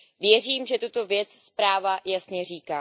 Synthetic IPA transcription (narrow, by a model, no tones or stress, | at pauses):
vjɛriːmʒɛt̪ut̪o̞vjɛt͡sspɾaːvajasɲɛriːkaː